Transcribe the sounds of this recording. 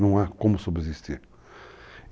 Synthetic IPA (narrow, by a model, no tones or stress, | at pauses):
nɐ̃w̃akõmʊsobɾezist̪iɾ